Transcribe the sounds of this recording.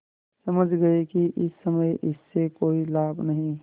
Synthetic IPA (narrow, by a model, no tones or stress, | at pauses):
sɐməd͡ʒʱɡɐekiʔɪsːɐməjʔɪsːekoːilaːbʱnɐɦĩ